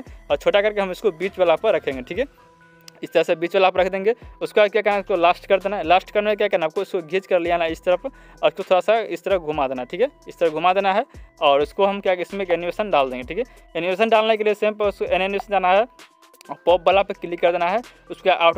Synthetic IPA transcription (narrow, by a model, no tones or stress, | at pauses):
ɔːɾt͡ʃʰoʈakəɾkeɦəmʊskobit͡ʃbelapəɾɾəkʰẽŋɡeʈʰikɦɛ | ɪst̪əɾəsẽbiːt͡ʃbelapəɾəkʰd̪ẽŋɡeʊskoakakənaskolasʈkəɾd̪enaɦɛlasʈkəɾnek̬jakənaəb̚koʊskoɡʱit͡ʃkəɾlijanaɪst̪əɾəp | skot̪ʰoɽasaɪst̪əɾəɡʱumad̪eːnaɦɛʈʰikɦɛɪst̪əɾəɡʱumad̪enaɦɛɔːɾʊskoɦəmkaɪsmẽenibesənɖald̪ẽŋɡeʈʰikɛ | eniʋes̬ənɖalnek̬eliesẽmpəʊskoeneniesənd͡ʒanaɦɛ | ɔpɔb̚bəlapəkɪlikːəɾd̪enaɦɛ | ʊskaʔaʊʈ